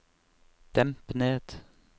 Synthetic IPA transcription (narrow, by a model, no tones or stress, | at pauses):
d̪̥ɛmpneːd̪̥